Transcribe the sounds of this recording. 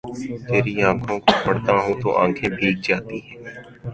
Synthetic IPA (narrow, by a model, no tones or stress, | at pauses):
t̪eːɾiːãːkʰõːkːpəɽt̪ãːɦõːt̪õ̰ːʔã̰ːkʰeːbʱiːk̚d͡ʒaːt̪iːɦɛː